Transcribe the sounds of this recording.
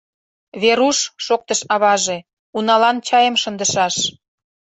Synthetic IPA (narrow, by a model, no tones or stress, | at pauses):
βeɾuʃːok̚t̪əʃɑβɑʒe | unɑlɑnt͡ɕɑjəmʃənd̪əʃɑʃ